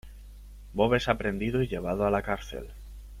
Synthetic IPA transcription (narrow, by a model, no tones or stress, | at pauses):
bo̞βe̞sapɾe̞nd̪iðoiʎe̞β̞aðoalakaɾθe̞̰l